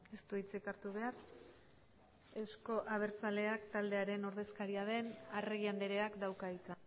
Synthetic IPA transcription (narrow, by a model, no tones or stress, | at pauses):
e̞st̪uit͡sekaɾt̪uβ̞e̞ar | e̞wsko̞ʔaβ̞e̞ɾt͡sale̞akt̪ald̪e̞aɾe̞no̞ɾðe̞skaɾiaðe̞nareɣiand̪e̞ɾe̞akd̪awkait͡san